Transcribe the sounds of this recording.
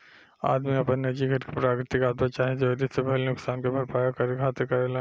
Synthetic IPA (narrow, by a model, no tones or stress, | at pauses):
a̰ːd̪miɐpənːɐd͡ʒiɡʱɐɾkipɾaːkɾɪt̪ɪkaːd̪mat͡ʃaːɦẽd͡ʒod̪ɪsepɛɦlnʊksaːnkebʱɐɾpaːjakɐɾekʰaːt̪ɪɾkɐɾela